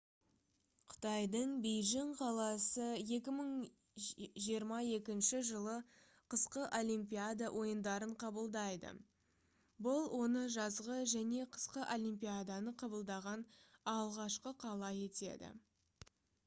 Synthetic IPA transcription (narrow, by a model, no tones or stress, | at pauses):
qʰʊ̥t̪ɑjd̪əɴbejʒɪɴqʰɑlˠɑsəe̞k̬ʲɪməɴ | ʒijəɾmɑe̞kʲɪnʃɪʒəlˠə | qʰəsqəʔo̞lʲijmpijad̪awʔo̞jənd̪ɑɾəɴqʰɑbəlˠd̪ɑjd̪ə̰ | bʊlˠwʔo̞nəʒɑzʁəʒæne̞qʰə̥sqəʔo̞lʲimpijad̪anəqʰɑbəlˠd̪ɑʁɑnɑlˠʁɑʃqəqʰɑlˠɑje̞t̪e̞̰d̪ɪ̰